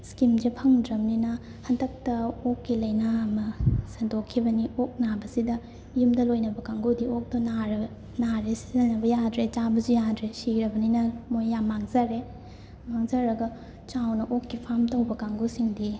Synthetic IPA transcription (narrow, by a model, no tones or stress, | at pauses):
skimd͡ʒepʰɐŋdɾɐmninɐ | hɐndɐk̚tɐokːilɐjnaːmɐsɐndokʰːibɐniok̚nabɐsidɐ | jumdɐlojnɐbɐkaŋɡudiok̚dɐnaɾɐ | naɾesizɐnɐbɐjadɾet͡ʃabɐzujadɾesiɾɐbɐninɐmojːamːaŋzɐɾe | maŋzɐɾɐɡɐ | t͡ʃawnɐʔokːipʰamtɐwbɐkaŋɡusiŋdi